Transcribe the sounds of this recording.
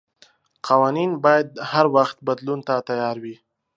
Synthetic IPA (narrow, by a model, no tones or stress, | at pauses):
qʰawɑninbɑjad̪̚haɾwaxt̪̚bad̪lunt̪at̪ajɑɾwi